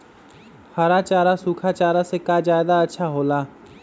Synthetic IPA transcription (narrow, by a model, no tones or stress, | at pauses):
haɾaːt͡ʃaːɾasuːkʰaːt͡ʃaːɾasekaːd͡ʒaːɪd̪aətːʃʰaːɦoːlaː